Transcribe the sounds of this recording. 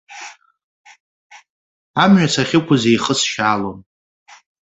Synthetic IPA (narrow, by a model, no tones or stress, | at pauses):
amɥat͡sʰaχʲɪkʷʰʊzejχəsʃaːlom